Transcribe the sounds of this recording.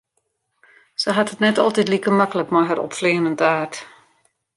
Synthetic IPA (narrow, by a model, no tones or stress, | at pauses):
səɦatətnɛtɔ̰lˠtɛtlikəmakələkmajɦəɾɔ̰pfleːnəntaːrt